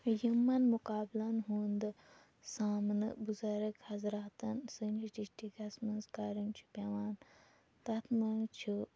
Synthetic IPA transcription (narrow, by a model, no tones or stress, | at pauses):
jimːɐnmukaːblɐnɦuːnd̪ɨ | saːmnɨbuzɐɾɐkhɐzɾaːt̪ɐnsɨnʲd͡ʒiʈisʈikɐsmɐnzkaːɾint͡ʃʰu̥pʲɐʋaːn | t̪ɐt̪ʰmɐnt͡ʃʰu